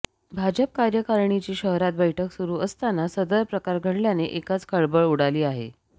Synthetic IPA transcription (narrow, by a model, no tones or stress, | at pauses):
bʱad͡ʑəp̚kaɾjəkaɾɳit͡ɕiːɕəɦɾat̪̚bəjʈʰəksuɾuːʔəst̪anasəd̪əɾpɾəkaɾɡʱəɽljaneʔekat͡skʰəɭbəɭuɽaliːaɦḛ